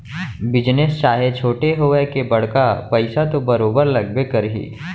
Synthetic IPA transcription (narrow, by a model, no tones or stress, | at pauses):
bɪd͡ʒnest͡ʃaːɦet͡ʃʰoːʈeɦoekebɐɽ̤kapɐɪsat̪obɐɾoːbəɾlɐɡbekɐɾɦḭː